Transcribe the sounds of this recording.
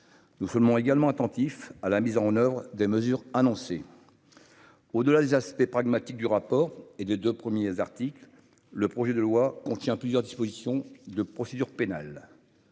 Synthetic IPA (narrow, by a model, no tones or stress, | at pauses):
nusɔmɔ̃eɡalmɑ̃at̪ɑ̃t̪ifalamizɑ̃nœvʁd̪eməzyʁanɔ̃se | od̪əlad̪ezaspɛpχaɡmat̪ik̚d̪yʁapɔːʁed̪ed̪øpχəmjezaʁt̪iklː | əpχɔʒɛd̪əlwakɔ̃t̪jɛ̃plyzjœʁd̪ispozisjɔ̃d̪əpχɔsed̪yʁpena̰l